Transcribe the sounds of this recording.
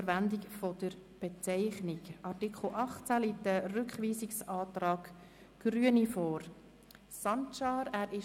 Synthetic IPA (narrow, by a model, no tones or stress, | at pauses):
əɾʋændɪkfɔd̥əɾ | b̥ɛt͡sɛɪχnɪɡʔɑɾtikʰl̩ʔɑχt͡sæliːtːərʏkχʋiːsɪksɑːtɾɑːɡ | ɡ̥ɾyənifɔːɾ | sɑntʃɑːɾæːɾɪ